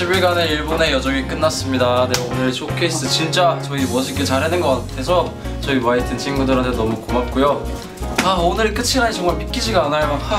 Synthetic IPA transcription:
ɕʰibiɭɡane̞iɭbone̞jʌd͡ʑʌŋik͈ɯnːas͈ɯmɲidane̞onɯɾsʰokʰesʰt͈ʰɯt͡ɕint͡ɕ͈at͡ɕʌimʌɕ̬ʰik͈et͡ɕaɾɦenɯnɡʌk͈atʰe̞s̬ʰʌ | t͡ɕʌiwaitʰɯnt͡ɕʰinɡudɯɾɦantʰenʌmukomap̚k͈ojo | aonɯɾik͈ɯt͡ɕʰinaɲit͡ɕʰʌŋɡamik͈id͡ʑiɡaanajoa

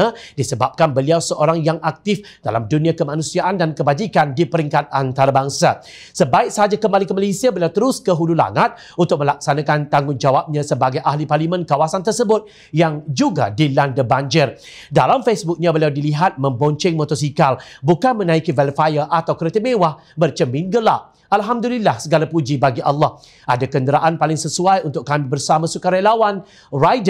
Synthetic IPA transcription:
adisəbap̚kanbəliawsəʔoɾaŋjaŋʔak̚t̪ɪf | d̥a̰lamdunĩakəmanũsiaʔandankəbad͡ʒikandipəɾiŋkat̪̚ant̪aɾabaŋsa | səbaɪk̚səɦad͡ʒakəmbalɪŋkəmalesiabəliawt̪əɾʊskəɦulula̰ŋət̪̚ | unt̪ʊk̚məlak̚sanakant̪aŋʊnd͡ʒawap̚ɲãsəbaɡajʔahliparlimə̃nkawasant̪̬ərsəbʊt̪̚ | jaŋd͡ʒuɡa̰dilandəbaɲd͡ʒɪr | dalamfesbʊk̚ɲãbəliawdiliɦat̪̚mə̃mbɔɲt͡ʃɪŋmɔt̪ɔs̬ikalbukanmə̃nãikivɛlfajəʔat̪awkəɾet̪imẽwah | bərt͡ʃəmĩnɡəla̰ʔ̚ | alɦamdulilahsəɡalapud͡ʒibaɡiʔalːɑh | ʔadakəndəɾaʔanpalɪŋsəsuajunt̪ʊk̚kamibərsamãsukaɾalawan | rajdə

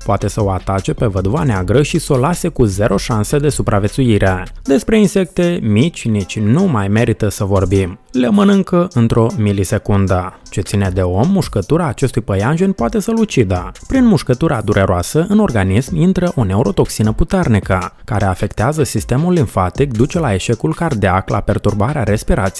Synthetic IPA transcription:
poat̪e̞səoat̪at͡ʃe̞pe̞vəd̪uvaneaɡɾəʃiso̞lase̞kuze̞ɾʔo̞ʃanse̞d̪e̞supɾʔavʲje̞t̪suiɾed̪e̞spɾe̞inse̞k̚t̪e̞mit͡ʃʲnit͡ʃʲnumajme̞ɾit̪əsəvo̞rbimlemənɨŋkəʔɨnt̪ɾo̞milise̞kund̪a | t͡ʃe̞t̪sined̪e̞o̞mːuʃkət̪uɾaːt͡ʃe̞st̪ujpəjanʒenʲpoat̪e̞səlut͡ʃid̪apɾinmuʃkət̪uɾad̪uɾʔe̞ɾoasəʔɨno̞rɡanismint̪ɾəʔo̞ne̞uɾo̞t̪o̞ksinəput̪ernikəkaɾe̞afe̞kt̪eazəsist̪e̞mulːiɱfat̪ik̚d̪ut͡ʃe̞lae̞ʃe̞kulkard̪eakla̰pe̞rt̪urbaɾeaɾe̞spiɾʔat̪s

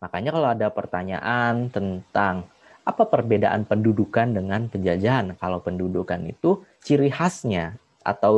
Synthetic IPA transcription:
makaɲakalawadapərt̪aɲa̰ʔant̪ənt̪aŋ | apapərbedaʔa̰npəndudukandəŋanpəɲd͡ʒad͡ʒaːnkalawpəndudukanḭt̪ut͡ʃiɾihasɲa | ʔa̰t̪aw

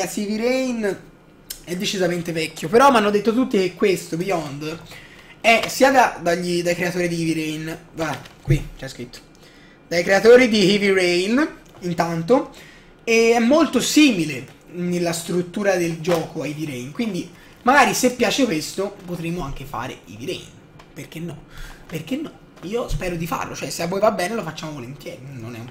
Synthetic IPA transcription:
asiviɾɛjn | ɛd̪ːet͡ʃizament̪evɛkʲːjopeɾɔmːanːod̪et̪ːot̪ut̪ːik̟ekːwest̪obiɔnd̪ | ɛsiːad̪ad̪aʎːid̪ajkɾeat̪oːɾid̪iiviɾɛjnvakwit͡ʃiajskɾit̪ːo̥ | d̪ajkɾeat̪oːɾid̪ihivirɛjn | int̪ant̪o | eɛmːolt̪osiːmile | nelːast̪ɾut̪ːuːɾad̪eld͡ʒɔːkoaiviɾɛjnkwind̪i | maɡaːɾisepːjaːt͡ʃekwest̪opot̪ɾemoaŋk̟efa̰ːɾḛḭviɾɛ̰jn | perk̟enːɔ̰perkenːɔ | iːospɛːɾod̪ifa̰rlʔo̰t͡ʃoɛseavːoːjvabːɛːnelofat͡ʃːaːmovolent̪jɛ̰ːɾinonɛ̰um

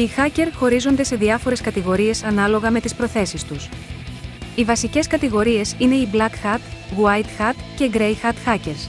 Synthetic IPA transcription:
ixɐce̞ɾxo̞ɾizo̞nd̪e̞se̞ðiɐfo̞ɾe̞skɐt̪iɣo̞ɾie̞sɐnɐlo̞ɣɐme̞t̪ispɾo̞θe̞sist̪us | ivɐsice̞skɐt̪iɣo̞ɾie̞sine̞iblɐkxɐt̪ɣuɐjt̪xɐt̪ce̞ɡɾejxɐt̪xɐce̞ɾs

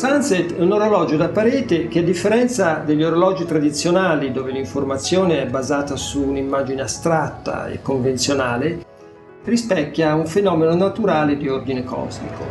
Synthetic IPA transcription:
sanset̪ɛunoɾolɔːd͡ʒod̪apːaɾɛːt̪ek̟ead̪ːifːeɾɛnt̪sad̪eʎːoɾolɔːd͡ʒit̪ɾad̪it̪sːjonaːlid̪oːveliɱformat̪sːjoːneɛbːazaːt̪asuːnimːaːd͡ʒineast̪ɾat̪ːa̰ḛkːoɱvent̪sjonaːle | rispɛkːjauɱfenɔːmenonat̪uɾaːled̪iord̪inekɔ̰zmḭko

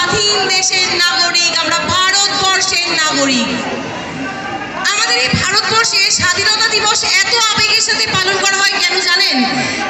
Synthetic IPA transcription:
d̪ʱind̪eʃeɾnaɡoɾikamɾabʱaɾot̪bɔɾʃeɾnaɡoɾik | amad̪eɾebʱaɾot̪̚bɔɾʃeʃad̪ʱinot̪ad̪iboʃɛt̪oabeɡeɾʃat̪ʰepalonkɔɾaɦɔekɛnod͡ʑanen

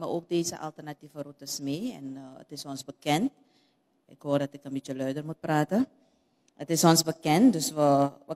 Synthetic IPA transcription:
məʔoːk̚deːzə̰ʔa̰lˠtərnativərutəsmeːɛ̰nə̰tɪsɔnzbəkɛnt̚ | ʔɪ̰khoərdɔtɪkənbitt͡ʃəlœɥdərmut̚praːtə | ətɪsɔnsbəkɛnt̚døsʋəʋə

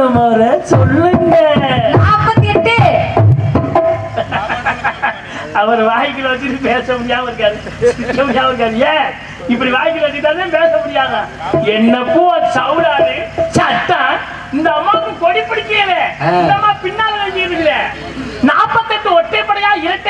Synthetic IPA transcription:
ɐmɐːɾɐsɔlːɯŋɡɐnaːpːɐt̪ɛʈːɯ | ɐʋɐɾɐʋaːjk̬ːɪlɐʋɐt͡ʃːɯʈːɯpeːsɐmʊɽɪjaːmɐɾɯkːaːɾɯ | sɪtːɐmʊɽɪjaːmɐɾɯk̬ːaːðɯjɛ | ɪpːɐɽiʋaːjɪk̬ːɪlɐʋɐt͡ʃːɯʈ̪ːaːt̪ẽːpeːsɐmʊɽɪjaːŋɐ | ɛnːɐpːoɐsɐwɽaːɾɯt͡ʃɐt̪ːaː | ɪnd̪ɐɐmːaːkːʊ̃kɔɽɪpːɪɽɪkːɪɾɐlɛɪnd̪ɐmːaːpɪɳːaːlɐkɐkːɪɐðɯŋɪlɐ | naːpːɐt̪ːɛʈːɯɔʈːeːpɐɽɐjaːɪɾɐʈː

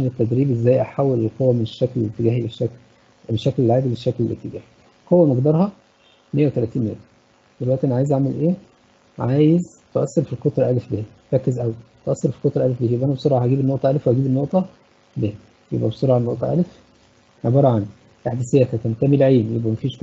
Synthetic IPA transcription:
enet̪ːæd̪ɾiːbezːæːjʔæħawːelelqowːæmeneʃːækllːit̪ːeɡæːhileʃæk | meʃːæklelːiʕaːd̪ebeʃːæklelːit̪ːeɡæ̰ːhi | qowːæmɑɡd̪ɑɾˤhɑ | mejːæwet̪ælæːt̪iːnmḛæ | d̪̥elwæʔt̪iʔeæniʕaːjezʔamelʔeː | ʕaːjez | t̪oʔæsːeɾfilkot̪ɾˤɑʔælefbeː | ɾˤækːezʔæwt̪oʔæsːeɾˤfi̥lkot̪ˤɾˤɑʔælefbeːhjebʔænæbesˤoɾʕhæɡiːbenːoʔt̪ˤɑælefwhæɡiːbenːoʔt̪ˤɑ | beh | jḛbʔæbesˤoɾʕanːoʔt̪ˤɑʔæ̰lef | ʕebɑːɾˤɑʕan | ʔeħd̪æsejːæt̪ækæːnt̪æːmelʕeːmjebʔæmæfiːʃ

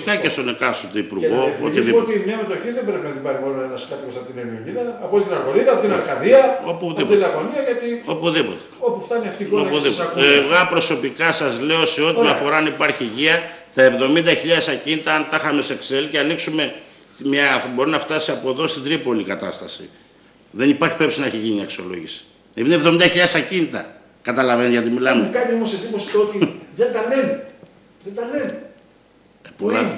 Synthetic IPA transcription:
kɐcest̪o̞nekɐsot̪oipuɾɣo̞ot̪iðiot̪imeɐmet̪oçiðembɾepinɐt̪ibɐɾimoɾnɐnɐskɐt̪imosɐpot̪inenioɲiðɐːpolit̪inɐɾɣo̞liðɐpot̪inɐɾkɐðiɐopuðip̪ilɐɣoniɐjɐt̪io̞puðipo̞t̪eopuft̪ɐniɐft̪ionuðipoɣɐpɾo̞so̞pikɐsɐzle̞o̞se̞o̞t̪imɐfo̞ɾɐɐnipɐɾçiʝiɐt̪ɐe̞vðo̞mind̪ɐçiʎɐðesɐcinit̪ɐɐnt̪ɐxɐme̞sekselceɐniksume̞ | t̪mɲɐbo̞ɾinɐft̪ɐsiɐpo̞ðo̞st̪ind̪ɾipo̞likɐt̪ɐ̰st̪ɐsḭ | ðe̞nipɐɾçi̥pɾe̞psinɐçiʝiniɐksio̞̰lo̞ʝisi̥ | einevðomind̪ɐçiʎɐðesɐcinit̪ɐ̰ | kɐt̪ɐlɐvenʝɐt̪imilɐmekɐɲiomoseðimosi̥t̪ot̪iðend̪ɐlenu | ðed̪ɐlen | polɐ̰

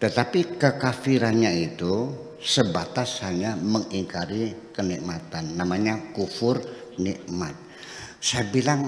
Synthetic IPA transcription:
t̪ət̪apikəkafiɾanɲait̪u | səbat̪ashaɲaməŋiŋkaɾikənik̚mat̪anːamaɲakufʊrniʔmat̪̚ | sajabilaŋ

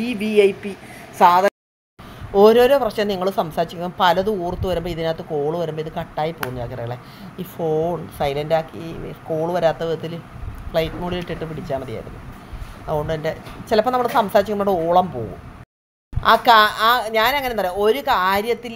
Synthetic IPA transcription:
ibiejpːisaːd̪ʱ | o̞ɾo̞ːɾo̞ːprɐʂjɐmniŋːɐɭusɐmsaːɾit͡ɕːikʲːɐmɐmpɐlɐðɨuːrt̪ːɨʋɐɾumbo̞ːiðinaːt̪ːɨko̞ːɭuʋɐɾumboiðɨkɐʈːaːjipːoːɣuɲːɐaːkiɾɐɣɐɭe | iːfoːɳsɐjlɐndaːkːiko̞ːɭɨʋɐɾaːt̪ːɐʋiðɐt̪ːilfɭɐjʈːɨnuːɽiliʈːiʈːɨpiɽit͡ɕːaːmɐðija̰ːɾṵlːṵɐðuɣo̞ɳɖɨende̞t͡ɕilɐpːɐnɐmːuɭsɐmsaːɾit͡ɕikːɐmːɐmɽeoːɭɐmpo̞ːɣṵm | a̰ːkaaːɲaːnɐŋːɐnenɐrjo̞ɾukaːɾjɐt̪ːil

